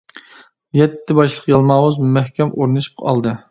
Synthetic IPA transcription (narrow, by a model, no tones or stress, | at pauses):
jɛt̪ʰːɪbɑʃlˠəqjɑlˠmɑːwuzmumɛhkʲʰɛmʔoɾnɨʃpɑ̰lˠd̪ɨ